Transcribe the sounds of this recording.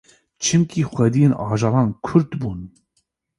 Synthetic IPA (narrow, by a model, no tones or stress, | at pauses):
t͡ʃʰɨmkʰiːxʷɛd̪ijeːnɑːʒɑːlɑːnkʰʊɾd̪buːn